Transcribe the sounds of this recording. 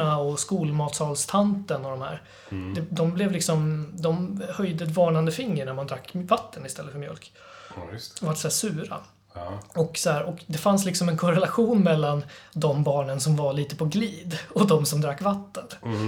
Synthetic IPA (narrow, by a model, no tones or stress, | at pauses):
aɔskuːlmɑːt̪sɑːlst̪ʰant̪ənɔd̪ɔmhæ̰ːɾ | d̪ɛd̪ɔmblɛvlɪksɔmd̪ɔmhœjd̪əɛt̪vɑːɳand̪əfɪŋːəɳæɾmand̪ɾakːvat̪ːənɪst̪ʰɛlːəfœɾmjœ̰lk | vaʈsɔæːʂʉ̟ːɾa̰ | ɔksɔhæːɾʔɔkd̪ɛfanslɪksɔmɛnkʰɔɾɛlaɧuːnmɛlːand̪ɔmbɑːɳənsɔmvaɭiːt̪əpʰɔɡliːd̪ɔd̪ɔmsɔmd̪ɾakːvat̪ːən